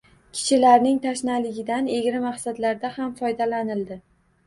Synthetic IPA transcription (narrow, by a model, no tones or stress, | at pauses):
kʲʰɪ̥t͡ʃʰɪlaɾnɪŋt̪ʰaʃnalɪɡʲɪd̪aneɡʲɾɪmaχsad̪laɾd̪ahamfɒjd̪alanɪld̪ɪ